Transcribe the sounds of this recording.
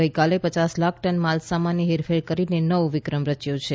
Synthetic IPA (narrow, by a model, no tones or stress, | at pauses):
əjkalepət͡ʃaslak̚ʰʈənmalsamaniɦeɾfʰeɽkəɾinenəʋʋɪkɾəmɾət͡ʃjot͡ʃʰe